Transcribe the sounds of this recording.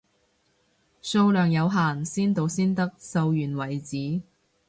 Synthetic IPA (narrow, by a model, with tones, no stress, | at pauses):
so˧wlœː˨˩ŋjɐ˨˧wɦaː˨nsiː˥nt̪o˨˧wsiː˥nt̪ɐ˥k̚sɐ˧wjyː˨˩nwɐ˨˩jt͡siː˨˥